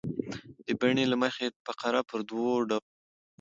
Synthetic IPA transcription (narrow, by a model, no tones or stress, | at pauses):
d̪̥əbaɳelaməxepaqaɾapəɾd̪woɖa